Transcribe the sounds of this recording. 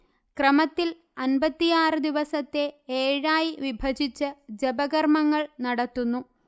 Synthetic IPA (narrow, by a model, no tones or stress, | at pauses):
krɐmɐt̪ːil | ɐnbɐt̪ːijaːrɨd̪iʋɐsɐt̪ːe̞eːɻaːjiʋibʱɐd͡ʑit͡ɕːɨd͡ʑebɐɣɐrmɐŋːɐɭnɐɽɐt̪ːunːu